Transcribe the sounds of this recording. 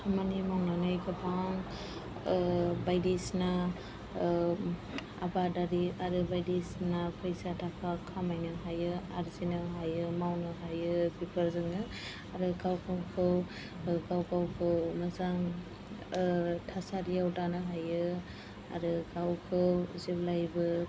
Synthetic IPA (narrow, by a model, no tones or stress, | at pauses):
kʰamanimawnanɯjkʰabʰaŋ | bajdisna | a̰badaɾiaɾɯbajdisnapʰəjsatʰakʰakʰamajnɯɦajɯaɾzinɯɦajɯmawnɯɦajɯbipʰɯɾzɯŋɯ | aɾɯkawkʰawkʰɯw | kawkawkʰɯwmazaŋ | tʰasaɾijawdanɯɦajɯ | a̰ɾɯkawkʰɯwzeblajbɯ